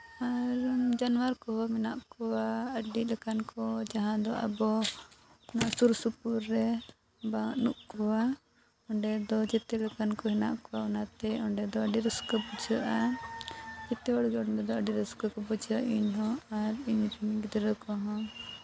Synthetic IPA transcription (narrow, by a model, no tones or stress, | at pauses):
aɾd͡ʒanwaɾkɔɦɔmɛna̰ʔkɔwaəɖilɛkankɔd͡ʒaɦãd̪ɔʔa̰bɔ | nasuɾsupuɾːɛ | baŋnuʔkɔwa | ɔɳɖɛd̪ɔd͡ʒɛt̪ɛlɛkankɔɦɛna̰ʔkɔwaɔnat̪ɛɔɳɖɛd̪ɔəɖiɾɔskəbɔd͡ʒəʔa | d͡ʒɛt̪ɛwaɽɡɔɽd̪ɛd̪ɔəɖiɾəskəkɔbɔd͡ʒaʔiɲɦɔ̃aɾiɲɾɛmiɡid̪ɾəkɔ̃ɦɔ̃